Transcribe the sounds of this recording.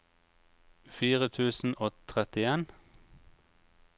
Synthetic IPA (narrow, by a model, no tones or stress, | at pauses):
fiːʁət̪ʰʉːsn̩oːt̪ʰʁɛt̪ɪeːn